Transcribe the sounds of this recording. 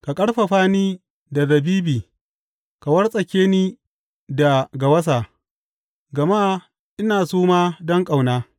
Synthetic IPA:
ka˨kʼɐ˦ɽɸa˨ɸaː˦niː˦ | da˨ðɐ˨biː˦biː˨ | ka˨wɐ˦rsʼɐ˨kʲeː˦niː˦ | da˨ɡa˨wɐ˦s̬a˨ | ɡɐ˨maː˦ | ʔɪ˦naː˨suː˦maː˦dɔ˦ŋkʼa˨wnaː˦

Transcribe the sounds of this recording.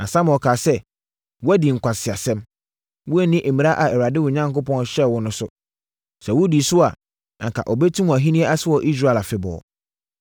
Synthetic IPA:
a˨sã˦m̃˨ɔ˨kʰaː˨sɛ˦ | wɔ˦æ˦di˨ŋ̩˨kʷʰa˨sɪ˨a˨sɛ̃˦m | wʊ˦æ˦˨nĩ˦ʔe˨mĩ˨a˦ʔa˨ɛ˨wa˨dɪ˦wʊ˨ɲã˦ŋkʊ˦pɔ̃˦n˦ɕɛ˦˨wʊ˦nʊ̃˦sʊ˦ | sɛ˨wʊ˦di˨sʊ˦a˨ | kʰa̰˨ʔɔ˨bɛ˦tʰũ˦m˨æ˨ɦĩ˦nĩ˦ɛ˦ʔa˦sɪ˦wɔ˨ʔi˦s̬ɾa˦˨la˨fɪ˨bɔ̰ː˨

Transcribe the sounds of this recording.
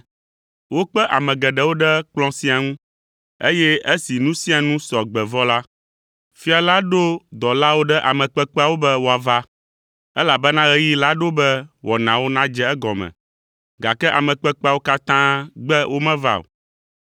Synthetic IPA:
wo˦k͡pɛ˦ʔa˨mɛ̃˨ɡɛ˨ɖɛ˨˦wo˦ɖɛ˦k͡plɔ̃˦sĩ˦a˨ŋũ˦ | ḛ˦jɛ˦e˦si˨nũ˦si˦a˨nũ˦sɔ˨ɡ͡bɛ˨vɔ˦la˦ | fi˦a˨la˦ɖo˦d̪ɔ˨la˦wo˦ɖɛ˦ʔa˨mɛ̃˨k͡pɛ˦k͡pɛ˦a˨wo˦bɛ˦wo˨a˨va˦ | ɛ˦la˨bɛ˦nã˦ɣɛ˦ji˦la˦ɖo˦bɛ˦wɔ˨nã˨wo˦nã˦d͡ʒɛ˦ɛ˦ɡɔ˨mɛ̰̃˨ | ɡa˨kɛ˦ʔa˨mɛ̃˨k͡pɛ˦k͡pa˦˨wo˦ka˦t̪ã˦ɡ͡bɛ˦wo˦mɛ̃˦va̰˦o̰˨

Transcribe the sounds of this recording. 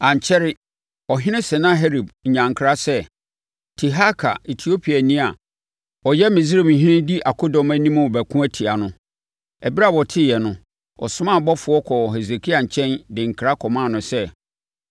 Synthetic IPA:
ã˨ɲ˨t͡ɕʰɛ˦ɾɪ˦ | ɔ˨ɦɪ̃˦nɪ̃˦sɛ˨nã˦ɦe˦ɾi˨bɲ̩˨ɲã˨ŋ˨kʰɾa˦sɛ˦ | tʰi˨ɦa˦kʰa̰˨e˨tʰi˨o˦pʰi˨a˨nĩ˦a˨ | ɔ˨jɛ˦mɪ̃˨zɾe˨m̩˨ɦɪ̃˦nɪ̃˦di˦ʔa˨kʰo˦dɔ̃˨mæ˦nĩ˦mʊ̃˦˨bæ˨kʰũ˦æ˦tʰi˨a˨nʊ̃˦ | ɛ˨bi˦ɾa˦˨wɔ˨tʰɪ˦jɛ˨nʊ̃˦ | ɔ̰˨sʊ̃˦mã˦˨bɔ˦fʊ˨˦ɔ˦kʰɔ˨ɦɛ˨ze˨kʰi˦a˨ɲ̩˨t͡ɕʰɛ̃˦ndɪ̃˨ŋ̩˨kʰɾa˦kʰɔ˨mãː˦˨nʊ̃˨sɛ˦

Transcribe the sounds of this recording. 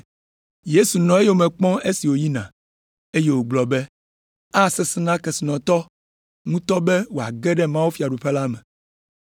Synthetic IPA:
je˦su˨nɔ̃˨e˦je˦wo˨mɛ̃˨k͡pɔ̃˦e˦si˨wo˨ji˦nã̰˨ | e˦je˦wo˨ɡ͡blɔ˨bɛ˦ | a˦˨sɛ˨sɛ˦nã˦kɛ˨si˨nɔ̃˨t̪ɔ˦ | ŋũ˦t̪ɔ˦bɛ˦wo˨a̰˨ɡɛ˦ɖɛ˦mã˦wo˦fi˨a˨ɖu˨ɸɛ˦la˦mɛ̃˨

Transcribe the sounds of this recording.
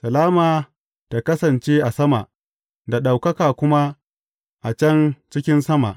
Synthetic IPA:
sɐ˨laː˦maː˨ | ta˨kɐ˦sɐ˨nt͡ʃeː˦ʔa˨sɐ˦ma˨ʔ | da˨ɗa˨wkɐ˦kaː˨kʷʊ˦ma˦ | ʔa˨t͡ʃɐ˦nt͡ʃɪ˦kʲɪ˦nsɐ˦ma̰˨ʔ

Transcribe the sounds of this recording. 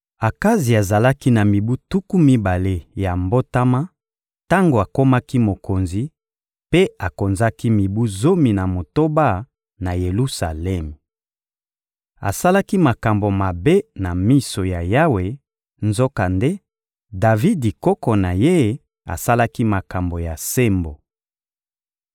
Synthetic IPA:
a˨ka˦zi˨a˨za˨la˦ki˦na˨mi˨bu˦tu˦ku˦mi˦ba˨le˦ja˨mbo˦ta˦ma˦ | ta˦ŋɡo˨a˨ko˦ma˦ki˦mo˨ko˨nzi˨ | pe˦a˨ko˨nza˦ki˦mi˨bu˦zo˦mi˨na˨mo˨to˦ba˦ | na˨je˨lu˦sa˨lɛ˦m˨ | a̰˨sa˦la˦ki˦ma˨ka˨mbo˨ma˨be˦na˨mi˦so˨ja˨ja˦we˨ | nzo˦ka˨nde˦ | da˨vi˦di˨kɔ˦kɔ˨na˨je˦ | a̰˨sa˦la˦ki˦ma˨ka˨mbo˨ja˨se˦mbo˨

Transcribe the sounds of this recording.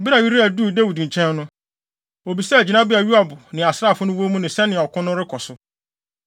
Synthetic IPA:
bi˦ɾa˨ɥi˦ɾi˦æ˨du˦˨da˦wi˨dɲ̩˨t͡ɕʰɛ̃˦nː˦ʊ̃˦ | o˨bi˨sɛ˦˨d͡ʑi˨nã˦bɪ˦a˨ɥu˦a˦˨bʊ˨nɪ̃˨a˨sɾa˦˨fʊ˦nʊ̃˦wo˦mũ˦nɪ̃˨sɛ̃˦nɪ̃˨ɔ˨kʰʊ̃˦nʊ̃˦ɾɪ˦kʰɔ˨sʊ˦

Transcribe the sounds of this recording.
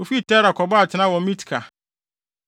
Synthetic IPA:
o˨fi˦˨tʰɛ˦ɾa˨kʰɔ˨bɔ˦a˨tʰɪ˨˦nã˦wɔ̃˨˦mĩ˦tʰi̥˨kʰa˨

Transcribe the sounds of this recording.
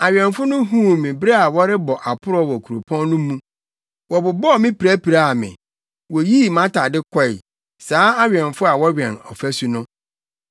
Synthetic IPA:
a˨ɥɛ̃˨nfʊ˦nʊ̃˦ɦũ˦˨mɪ̃˨bɾe˦a˨wɔ˦ɾɪ˦bɔ˨ʔa˨pʰʊ˦ɾɔ˦wɔ˨kʰu˨ɾo˨pʰɔ̃˦nːʊ̃˦mũ˦ | wɔ˨bʊ˨bɔ˦˨mɪ̃˦pi˨ɾæ˦pi˨ɾa˦˨a˨mɪ̰̃˨ | wɔ˨ji˦mã˦tʰa˨dɪ˦kʰɔ˦ɪ̰˨ | saː˦a˦ɥɛ̃˨nfʊ˦a˨wɔ˦ɥᶣɛ̃˨nɔ˨fæ˦su˨nʊ̃˦

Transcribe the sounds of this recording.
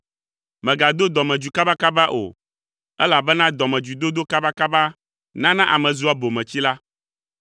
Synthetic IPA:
mɛ̃˨ɡa˨d̪o˦d̪ɔ˨mɛ̃˨d͡ʒu˨ka˦ba˦ka˦ba˦ʔo̰˨ | ɛ˦la˨bɛ˦nã˦d̪ɔ˨mɛ̃˨d͡ʒu˨d̪o˦d̪o˦ka˦ba˦ka˦ba˦ | nã˦nã˦ʔa˨mɛ̃˨zu˦a˦bo˨mɛ̃˨t͡ɕi˦la˦

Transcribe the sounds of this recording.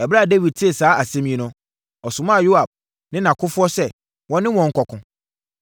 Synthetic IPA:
ɛ˨bɾa˦˨de˦wi˨d̚tʰɪ˦e˨saː˨˦a˨sɛ̃˦mĩ˦ẽ˦nʊ̃˦ | ɔ˨sʊ̃˨mã˦˨jo˦a˨b̚ | nɪ̃˦nã˨kʰʊ˦fʊ˦ɔ˦sɛ˦ | wɔ̃˦nɪ̃˦wɔ̃˨ŋ̩˦kʰɔ˨kʰʊ̃˨

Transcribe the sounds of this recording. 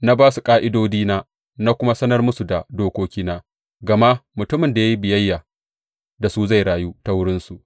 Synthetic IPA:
na˦baː˦su˨kʼaː˦ʔɪ˦doː˦diː˦naː˦ | na˦kʷʊ˦ma˦sɐ˦nɐ˦rmʊ˦su˨da˨doː˦kʷoː˦kʲiː˦naː˦ | ɡɐ˨ma˦ʔmʊ˨tʊ˦mɪ˨nda˨ja˦ji˦bɪ˨jɐ˦jːa˨ | da˨su˦za˦˨jɽaː˨ju˦ta˦wʊ˦ɽɪ˦nsu˨ʔ

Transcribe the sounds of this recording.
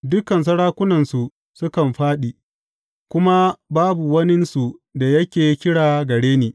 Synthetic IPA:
dʊ˦kɐ˨ns̬ɐ˦ɽaː˦kʷʊ˦nɐ˨nsu˨ | sʊ˦kɐ˨mɸaː˦ɗi˨ | kʷʊ˦ma˦baː˦bu˨wɐ˦nɪ˦nsu˨da˨jɐ˦kʲeː˨˦kʲɪ˦ɽaː˨ɡɐ˨ɽeː˦neː˨

